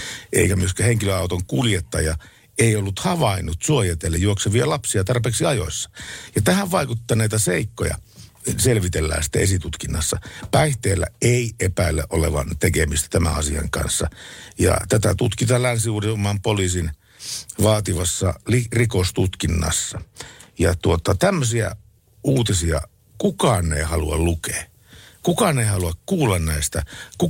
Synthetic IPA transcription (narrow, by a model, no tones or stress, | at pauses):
ʔḛikæmyøskæheŋkiløɑˑut̪oŋkuljet̪ːɑjɑ | eiolːut̪hɑʋɑinːut̪suojet̪elːejjuokseʋiɑlɑpsiɑt̪ɑrpeːksiɑjo̰isːɑ̥jɑt̪æhæʋʋɑikut̪ːɑneit̪æseikːojɑ̰selʋit̪elːæ̰ːnsi̥t̪ːæ̰esit̪ut̪kinːɑsːɑpæiht̪eːlːæ̰eiʔepæilːḛʔoleʋɑ̰nt̪ekemist̪æ̥t̪æmæ̰ɑsiɑ̰ŋkɑ̰nsːɑjɑ̰t̪æt̪æt̪ut̪kit̪ɑlænsiuːriomːˑɑːmpoliːsin | ʋɑːt̪iʋɑsːɑ̰lirikost̪ut̪kinːɑ̰sːɑjɑt̪uot̪ɑt̪æmːøsiæ̰ | ʔuːt̪isiɑ̰ | kukɑnːeːhɑluɑllukeː | kukɑneihɑluɑkkuːlːɑnnæist̪æku